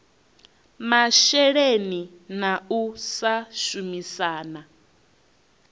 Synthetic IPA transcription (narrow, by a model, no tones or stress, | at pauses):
maʃɛɺeni | nausaʃumisaːna